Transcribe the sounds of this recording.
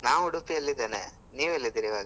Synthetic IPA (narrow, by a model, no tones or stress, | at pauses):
naːʋuɽupiɐlːid̪eːnḛ | niːʋɐlːid̪iːɾiːʋaːɡɐ